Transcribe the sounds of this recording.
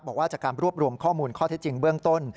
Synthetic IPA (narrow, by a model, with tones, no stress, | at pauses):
bɔː˨˩waː˥˩t͡ɕaː˨˩kːaː˧nɾu˥˩əp̚ɾu˧əmkʰɔː˥˩muː˧nkʰɔː˥˩t̪ʰe˦˥t̚t͡ɕi˧ŋbɯ˥˩əŋt̪o˥˩n